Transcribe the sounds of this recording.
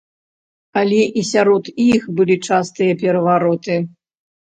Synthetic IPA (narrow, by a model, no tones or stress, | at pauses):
alʲɛʔisʲaɾɔt̪ixbɨlʲit͡ʂast̪ɨjɐpʲɛɾɐvaɾɔt̪ɨ